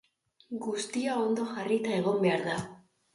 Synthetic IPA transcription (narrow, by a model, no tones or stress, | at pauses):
ɡust̪iao̞nd̪o̞ʝarit̪ae̞ɣ̞o̞mbe̞aɾða